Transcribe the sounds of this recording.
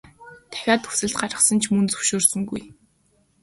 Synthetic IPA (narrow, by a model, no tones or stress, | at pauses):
t̪ʰæ̥xʲaːt̪xu̥sɘ̆ɮt̪̚ɢaɾə̆sə̆nt͡ɕʰmɵnt͡sɵ̥wʃoːrsɵ̆ŋɡuj